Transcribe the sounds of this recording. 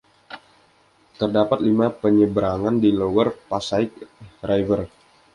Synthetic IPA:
t̪ərdapat̪̚limapəɲəbɾaŋandilowərpasaɪk̚rajvər

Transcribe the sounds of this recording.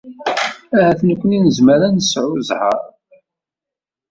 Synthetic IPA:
æhæθnəkʷːəninəzməɾænəsʕuzhə̰ɾˤ

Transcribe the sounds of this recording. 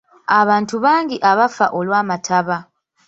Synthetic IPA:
aβaːntuβaːŋɡiʔaβafa̰ʔo̞lwaːmatʰaβa

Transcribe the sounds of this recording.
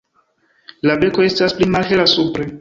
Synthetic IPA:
labe̞ko̞e̞stasplimalelasupɾe

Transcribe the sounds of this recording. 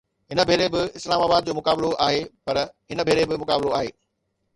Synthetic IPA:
ɦɪnə̆bʱeːɾebɪɪslaːmaːbaːd̪̚d͡ʑoːmʊkaːbloʔaːɦepɐɾɦɪnəbʱeːɾebɪmʊkaːbloaːɦḛː

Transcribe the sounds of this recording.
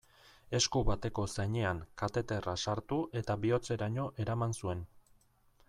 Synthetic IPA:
e̞skuβat̪e̞ko̞sajɲe̞aŋkat̪e̞t̪e̞rasaɾt̪uʔe̞t̪aβio̞t͡se̞ɾaɲo̞ʔe̞ɾamansue̞n

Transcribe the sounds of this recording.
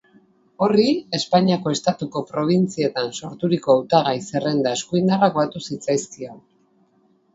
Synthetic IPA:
o̞rie̞spaɲiako̞e̞st̪at̪uko̞pɾo̞β̞int͡sie̞t̪anso̞ɾt̪uɾiko̞awt̪aɣajse̞re̞nd̪ae̞skuind̪arakβat̪usit͡sajskio

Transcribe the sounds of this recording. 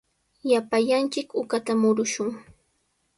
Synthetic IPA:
japaʎant͡ʃɪkʊkat̪amʊɾʊʃʊŋ

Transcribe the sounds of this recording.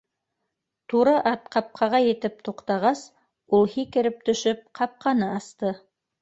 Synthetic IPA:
t̪uɾɤʔɑt̪̚qɑp̚qʰɑʁɑjɘ̆t̪ɘp̚t̪uqt̪ɑʁɑs | ulˠhikɘ̆ɾɘp̚t̪ɵ̆ʃɵp̚qʰɑp̚qʰɑnɤɑst̪ɤ

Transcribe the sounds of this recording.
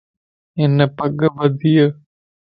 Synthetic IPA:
ɪnəpəɡʋəd̪ijə

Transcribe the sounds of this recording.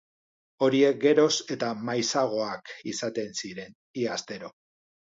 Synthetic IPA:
o̞ɾie̞k̚ɡe̞ɾo̞se̞t̪amajsaɣ̞o̞akisat̪e̞nsiɾe̞n | iast̪e̞ɾo̞

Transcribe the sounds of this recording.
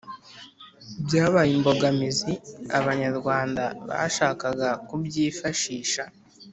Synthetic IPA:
ibjaːβajimbo̞ɡamiziaβaɲaɾɡwaːndaβa̰ʃaːkaɡakubɟiːfaʃiːʃa

